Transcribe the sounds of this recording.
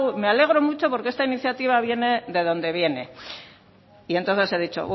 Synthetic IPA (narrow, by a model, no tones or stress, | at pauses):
umeale̞ɣ̞ɾo̞mut͡ʃo̞po̞ɾkeest̪ainiθjat̪iβ̞aβje̞ne̞ðe̞ðo̞nd̪e̞β̞je̞ne̞ | ient̪o̞nθe̞seðit͡ʃo̰β